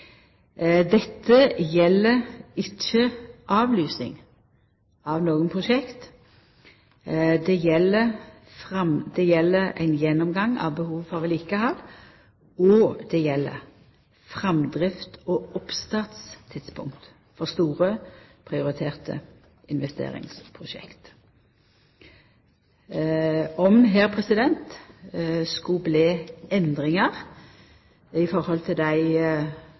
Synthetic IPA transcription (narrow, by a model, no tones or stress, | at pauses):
d̪ɛt̪ʰːəjɛlːəɾɪçəʔɑːʋlyːsɪ̰ŋ | ɑʋnoːɡənpʰʁʊʃɛkt̪ | d̪ɛjɛlːə | fʁɑmd̪̥ɛjɛlːəɾæ̰ɪnjɛnːɔmɡɑŋːɑ̰ʋbəhuːʋfɔʋɛliːkəhɑd̪ | ɔd̪̥ɛjɛlːə̰ | fʁɛmd̪ɾɪft̪ɔʊpst̪ɑːt̪st̪ʰɪt̪spʰʊ̰ŋkt̪ | fɔst̪uːʁəpʰɾɪʊɾɪt̪ʰeːʁt̪ə̰ | ɪnʋɛst̪ḛːʁɪ̰ŋspʰʁʊʃɛ̰kt̪ | ɔmɦɛːʁpʰʁɛsɪd̪ɛnt̪ | skʉbleːɛnd̪ʁɪŋəʁ | ɪfɔɾhɔlt̪ʰɪld̪æɪ